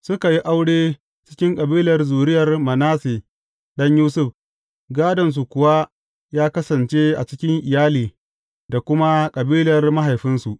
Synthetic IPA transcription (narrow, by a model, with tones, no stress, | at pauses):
sʊ˦ka˨ji˦ʔa˦wɽeː˦ | t͡ʃɪ̥˦kʲɪ˦ŋkʼɐ˨biː˦lɐ˨rzuː˨ɾɪ˦jɐ˨rmɐ˨naː˦seː˨ | ɗɐ˦ɲjuː˦sʊ˦˨ɸ | ɡaː˦dɐ˨ns̬u˨kʷʊ˨wa˦ | jaː˦kɐ˦sɐ˨nt͡ʃe˦ʔa̰˨t͡ʃɪ˦kʲɪ˦ŋʔɪ˨jaː˦liː˨ | da˨kʷʊ˦ma˦kʼɐ˨biː˦lɐ˨rma˦ɦa˨jɸɪ˦nsu˨ʔ